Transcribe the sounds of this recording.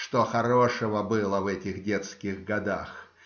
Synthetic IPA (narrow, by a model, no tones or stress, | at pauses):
ʂt̪oxɐɾoʂɨvəbɨlˠəvɛtʲɪxdʲet̪skʲɪɣɡɐd̪ax